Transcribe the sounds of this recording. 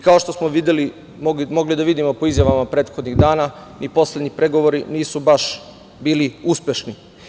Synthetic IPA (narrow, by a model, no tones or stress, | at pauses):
ikao̞ʃt̪o̞smoʋid̪eli | moɡimo̞ɡlid̪aʋid̪imo̞poizjaʋamapɾe̞ːt̪xo̞d̪ɲiɣd̪aːnanipo̞sled̪ɲipɾe̞ɡo̞ʋoɾiniːsubaʃ | biːliuspʲjeʃni